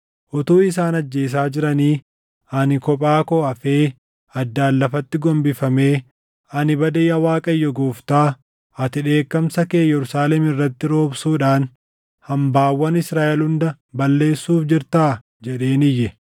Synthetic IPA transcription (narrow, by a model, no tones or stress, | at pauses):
ʔɔt̪uːɪs̬aːnɐd͡ʒːe̞ːs̬aːd͡ʒɪɾɐniː | ɐnɪkɔpʼaːkɔɐfeː | ɐd̪ːaːlːɐfɐt̪ːɪɡɔmbɪfɐme̞ː | ɐnɪbɐd̪ɐjɐwaːkʼɐjːɔɡoːft̪aː | ɐt̪ɪᶑe̞ːkːɐmsɐkeːjɛɾʊsaːlɛmɪrːɐt̪ːɪɾo̞ːbsuːᶑaːn | hɐmbaːwːɐnɪsɾaːʔɛlhʊnd̪ɐ | bɐlːe̞ːsːuːfd͡ʒɪɾt̪aː | d͡ʒɛᶑe̞ːnɪjːɛ